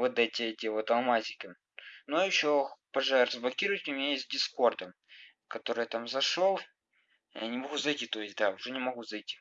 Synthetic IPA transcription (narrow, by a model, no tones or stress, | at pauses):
vot̪ɛtʲɪɛtʲɪvot̪ɐlˠmazʲɪkʲɪ | nujɪɕːopɐʐarəzblɐkʲiɾʊjɪtʲʊmʲɪnʲajesʲt̚ʲdʲɪsko̞rd̪ə | kɐt̪o̞ɾɨjt̪amzɐʂolˠ | janʲɪmɐɣuzɐjtʲit̪o̞jɪsʲd̪aʊʐɛnʲɪmɐɣuzɐjtʲi̥